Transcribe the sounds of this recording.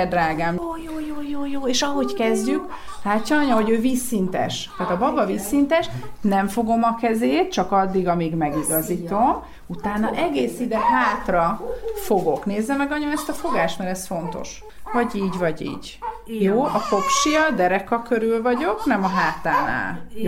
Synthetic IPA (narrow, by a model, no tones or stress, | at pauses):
d̪raːɡaːmːjoːjoːjoːjoːeːʃɒɦo̞ckɛzɟyk | laːcːɒnɒɲɒɦoɟøːviːsint̪ɛ̰ʃt̪aːt̪ɒbɒbɒviːsːint̪ɛʃnɛɱfo̞ɡo̞mɒkɛzeːt̪t͡ʃɒkɒd̪ːiɡɒmiːɡmɛɡiɡɒzit̪o̞m | ut̪aːnːɒʔɛɡeːsid̪ɛɦaːt̪rɒfo̞ɡo̞kneːzːɛmɛɡɒɲomɛst̪ɒfo̞ɡaːʃt̪mɛɾɛsfo̞n̪t̪o̞̰ʃ | vɒɟiːɟvɒɟḭːɟ | joːʔɒko̞fʃijɒd̪ɛɾɛkɒkø̞ɾylvɒɟo̞knɛmɒɦaːt̪aːna̰ːl